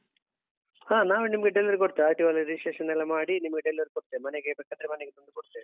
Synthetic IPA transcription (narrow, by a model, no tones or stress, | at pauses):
haːnaːʋenimɐkɐɖelʋɐɾkoɽut̪ːeaːɾʈiʋalɐɾiʂeːʂɐnːɐlːɐmaːɽinimɐɡɐɖelʋɐɾkoɽut̪ːemɐnekebekːɐd̪ɾemɐnekinond̪ukoɽut̪ːe